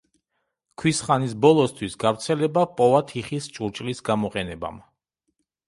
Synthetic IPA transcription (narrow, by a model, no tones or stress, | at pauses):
kʰwisχanisbɔlˠɔst̪ʰwisɡavɾt̪sʰɛlɛbapʼɔvat̪ʰiχist͡ʃʼuɾt͡ʃʼlisɡamɔqʼɛnɛba̰m